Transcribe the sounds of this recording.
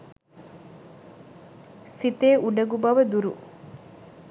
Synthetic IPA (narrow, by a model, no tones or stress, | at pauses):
sit̪eːʔuɖɐɡubɐʋɐd̪uɾṵ